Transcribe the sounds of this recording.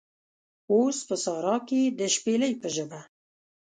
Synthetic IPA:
ospəsɑɾɑked̪əʃpeləjpəʒəba

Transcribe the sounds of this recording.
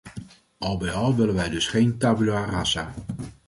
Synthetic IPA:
ʔɑlˠbɛjɑlˠʋɪlənʋɛjdɵsχejntaːbylarasaː

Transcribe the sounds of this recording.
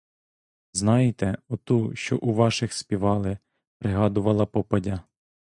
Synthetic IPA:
znɑjɪt̪ɛɔt̪uʃt͡ʃɔ̰ʔuʋɑʃɪxspʲiʋɑlˠɪ | pɾɪɦɑd̪ʊʋɐlˠɐpɔpɐdʲɐ

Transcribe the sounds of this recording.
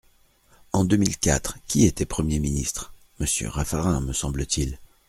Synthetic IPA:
ɑ̃d̪ømilkʲat̪χkʲiet̪ɛpχəmjeminist̪χ | məsjø̰ʁafaʁɛ̃məsɑ̃blət̪ʰil

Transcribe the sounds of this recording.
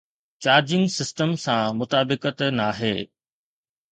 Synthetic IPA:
t͡ɕaːɾd͡ʑɪ̃ŋɡsɪsʈəmsãmʊt̪aːbɪkət̪naːɦeː

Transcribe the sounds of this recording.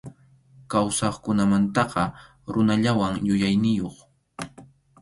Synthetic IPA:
kawsɑχkʊnamant̪ɑqɑ | ɾʊnaʎawaŋjʊjajnɪjoχ

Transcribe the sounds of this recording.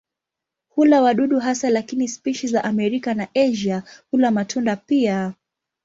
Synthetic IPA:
hulawaɗuɗuɦasalakinispiʃizaʔamɛɾikanaʔɛʒahulamatʰundapia

